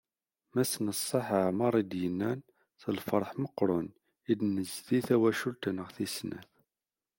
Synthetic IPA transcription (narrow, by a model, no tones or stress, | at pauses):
mæsnəsˤːɑħəʕməɾˤid̪jənːæn | θəlfəɾˤħməqːɾˤʊn | id̪nəzθiθæwæʃult̪ənəʁθisnæ̰θ